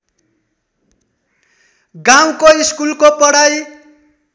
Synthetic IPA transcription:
ɡaw̃koiskulkopʌɽaj

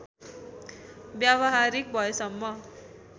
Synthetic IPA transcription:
bjabʌɦaɾik̚bʱʌesʌmːʌ

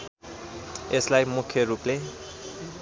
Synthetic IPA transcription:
eslajmukʰjʌɾuple

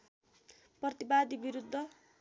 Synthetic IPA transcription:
prʌt̪ibad̪ibiɾud̪ʱːʌ

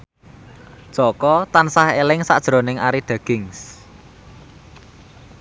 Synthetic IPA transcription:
ʒ̥ɔkɔt̪ansahelɪŋsad̥ʒ̥ɾo̤nɪŋʔaɾiɖ̪̥a̤ɡ̥ɪ̤ŋs

